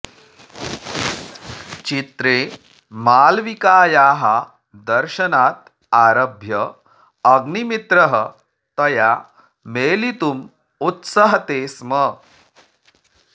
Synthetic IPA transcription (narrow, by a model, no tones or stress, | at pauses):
t͡ʃit̪ɾeː | maːlʋikaːjaːɦa | d̪ɐɾʃɐnaːt̪̚ | aːɾɐbʱjɐ | ɐɡnimit̪ɾɐɦə | t̪ɐja | meːlit̪um | ut̪sɐɦɐt̪eːsmə